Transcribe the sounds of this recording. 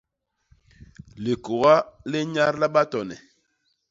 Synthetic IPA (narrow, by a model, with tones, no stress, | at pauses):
le˨ko˨ɣa˦le˦ɲa˦ɾla˦ɓa˦tɔ˨nɛ˨